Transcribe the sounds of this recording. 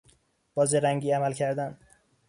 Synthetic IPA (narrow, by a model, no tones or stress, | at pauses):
b̥ɒːzeɾæŋɟiːæmælcʰæɾd̪æn